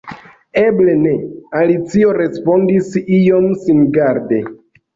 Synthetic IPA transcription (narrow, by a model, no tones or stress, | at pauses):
eble̞ne̞alit͡sio̞ɾe̞spo̞ndisijo̞msinɡaɾde̞